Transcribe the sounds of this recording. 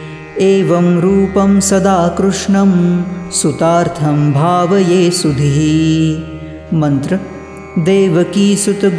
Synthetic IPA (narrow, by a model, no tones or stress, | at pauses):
eːʋɐmɾuːpɐmsɐd̪aːkɾuʂɳɐmsut̪aːɾt̪ʰɐmbʱaːʋɐjeːsud̪ʱiɦi | mɐnt̪ɾɐ | d̪eːʋɐkiːsut̪